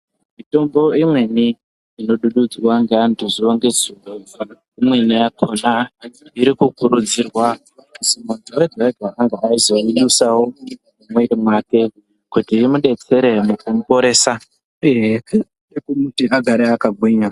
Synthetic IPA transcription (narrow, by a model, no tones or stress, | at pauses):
mito̞mbo̞imweniː | no̞ɗuɗud͡zwaŋɡeantʰuzioŋɡe̞zinuvu | imwenijakʰo̞naiɾikukuɾud͡zirwa | kusimuntowedʱaɡʱwaaŋɡaaizo̞iɗusawomumweɾimwaːke̞ | kutiimuɗe̞t͡se̞ɾemukumupo̞ɾe̞ːsa | ueɦe | ekumutiaɡʱaɾeakaɡʱwiɲa